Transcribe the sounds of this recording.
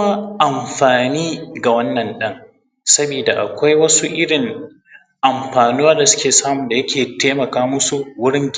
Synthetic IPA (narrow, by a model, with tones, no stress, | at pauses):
kma˦ʔa˨mɸaː˨niː˦ɡa˨wɐ˦nːɐ˨nɗɐ˦ŋ | sɐ˦biː˨da˨ʔa̰˨kʷa˦jwɐ˦su˦ʔɪ˦ɽɪ˨ŋ | ʔa˨mɸaː˨nuː˦waː˦da˨sʊ̥˦kʲeː˨saː˦mʊ˨nda˨jɐ˦kʲʰeː˨teː˦mɐ˨kaː˦mʊ˦su˨wʊ˦ɽɪ˦ŋɡʲ